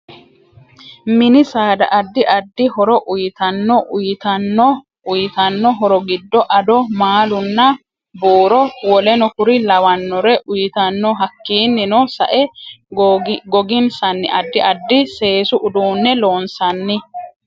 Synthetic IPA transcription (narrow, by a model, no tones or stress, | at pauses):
mɪnɪsaːd̪ɐ̰ʔɐd̪ːɪʔɐd̪ːɪhɔɾɔʔʊjɪt̪ɐnːɔʔʊjɪt̪ɐnːɔ | ʊjɪt̪ɐnːɔɦɔɾɔɡɪd̪ːɔʔɐd̪ɔmaːlʊnːɐ | boːɾɔwɔlɛnɔkʊɾɪlɐwɐnːɔɾɛʔʊjɪt̪ɐnːɔɦɐkːiːnːɪnɔsɐ̰ʔɛ | ɡɔɡɪnsɐnːɪʔɐd̪ːɪʔɐd̪ːɪse̞ːsʊʔʊd̪uːnːɛlo̞ːnsɐnːɪ